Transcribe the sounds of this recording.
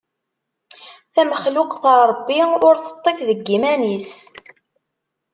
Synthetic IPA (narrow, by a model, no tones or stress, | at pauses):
θæməχluqθəɾˤəbːiʊɾθə̥t̪ˤːefðəɡːimænis